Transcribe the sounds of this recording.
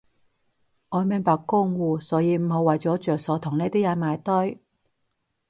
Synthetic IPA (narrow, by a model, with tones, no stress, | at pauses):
ŋɔː˨˧mɪ˨˧ŋpaː˧kːʊ˥ŋwuː˧sɔː˨˥jiː˨˧m̩˨˩ɦo˨˧wːɐ˨jt͡sɔː˨˥t͡ʃœː˨k̚sɔː˨˥t̪ʰʊ˨˩ŋnɛː˥˧t̪i˥ja˨˧˥maː˨˧jt̪ɔ˥j